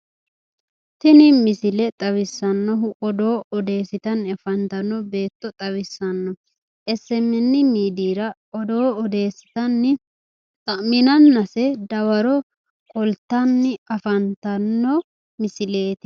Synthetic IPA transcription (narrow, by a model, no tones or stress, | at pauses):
t̪ɪnɪmɪsɪlɛt̪ʼɐwɪsːɐnːɔɦʊʔɔd̪oːɔd̪e̞ːsɪt̪ɐnːɪɐfɐnt̪ɐnːɔbe̞ːt̪ːɔt̪ʼɐwɪsːɐnːɔ | ɛsːɛmːɛnːɪmiːd̪iːɾɐ | ɔd̪oːɔd̪e̞ːsɪ̥t̪ɐnːɪ | t̪ʼɐmɪnɐnːɐsɛd̪ɐwɐɾɔ | kɔlt̪ːɐnːɪɐfɐnt̪ɐnːɔ | mɪsɪle̞ːt̪ɪ̥